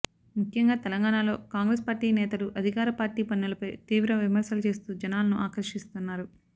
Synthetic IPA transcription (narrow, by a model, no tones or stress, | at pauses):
mukʰjɐŋɡaːt̪ɛlɐŋɡaːɳaːlo̞ːkaːŋɡɾeːspaːɾʈiːnɛːt̪ɐluʔɐd̪ʱikaːɾɐpaːɾʈiːpɐnːulɐpɐjt̪iːʋɾɐʋimɐɾsɐlut͡ʃe̞ːst̪uːd͡ʒɐnaːlɐnuʔaːkɐɾʂist̪unːaːɾu